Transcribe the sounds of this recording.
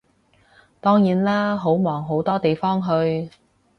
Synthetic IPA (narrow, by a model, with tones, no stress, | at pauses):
t̪ɔː˥ŋjiː˨˥nlaː˥ɦo˨˥wmɔː˨˩ŋɦo˨˥wt̪ɔː˥t̪e˨jfɔː˥ŋɦɵ˧ɥ